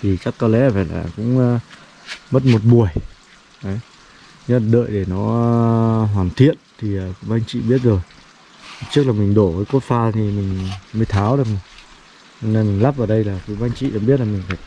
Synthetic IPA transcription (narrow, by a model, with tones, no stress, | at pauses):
t̪ʰi˨˩t͡ɕa˦˥kkɔ˧lɛ̰˧˥faː˧˩jla̰ː˨˩kʊ̰˧˥ŋ͡m | mə˦˥t̚mo˨˩t̚ɓu˨˩əj | ʔə˨˦j | ɲɨ˨˦˥a˨˩ɗə̰ː˧˨jɗe˧˩nɔ˨˦ | ɦwaː˨˩nt̪ʰḭ˧˨ənt̪ʰi˨˩əː˨˩kɓaː˧ŋt͡ɕḭ˧˨ɓi˦˥ət̚zo˨˩j | t͡ɕɨ˦˥ək̚la˨˩mï˨˩ŋ̟ɗo˧˩vəː˨˦jku˦˥t̚faː˧t̪ʰi˨˩mï˨˩ŋ̟mə˨˧˦jt̪ʰaː˨˦wɗɨ˨˩k̚m˨˩ŋ | t͡ɕɔ˧ne˧nmi˨˩ŋ̟laː˦˥p̚vaː˨˩ɗə˧jlaː˨˩ku˨˧˦ɓaː˧nt͡ɕḭ˧˨ɗa˧˦ɓi˦˥t̚laː˨˩mï˨˩ŋ̟faː˧˩j